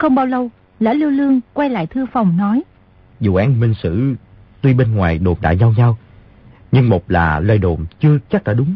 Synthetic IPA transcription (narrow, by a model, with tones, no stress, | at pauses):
xə˧wŋ͡mɓaː˧wlə˧w | la̰ː˧˥li˧wlɨ˧əŋkwɛ˧jla̰ː˧˨jt̪ʰɨ˧əfa˨˩wŋ͡mnɔ˨˦j | zṵ˧˨ʔaː˨˦nmi˧ŋsɨ̰˧˥ | t̪wi˧ɓe˧nŋwaː˨˩jɗo˨˩mɗa̰ː˧˥ɲa˧wɲa˧w | ɲɨ˧ŋmo˨˩k͡p̚laː˨˩lwɛ˧jɗo˨˩mt͡ɕɨ˧ət͡ɕa˦˥k̚ɗaː˧˥˩ɗʊ˨˦ŋ͡m